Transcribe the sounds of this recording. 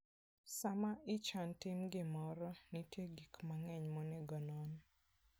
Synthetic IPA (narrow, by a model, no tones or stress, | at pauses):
samaɪt͡ʃantɪmɡɪmɔɾɔnitjeɡikmaŋɛɲmɔnɛɡɔnɔn